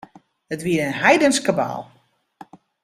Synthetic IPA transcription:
ətʋiəɾənɦɛjdənskəba̰ːlˠ

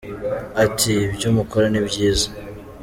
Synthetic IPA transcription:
atʰibɟuːmukoɾenibɟiːza

